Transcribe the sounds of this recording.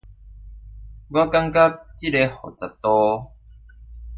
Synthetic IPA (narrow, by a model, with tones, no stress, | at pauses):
ɡwa˦ka˦ŋka˦p̚t͡ɕi˦˥ɾe˧hɔ̰˨˩t͡sa˨˩t̪ɔ˦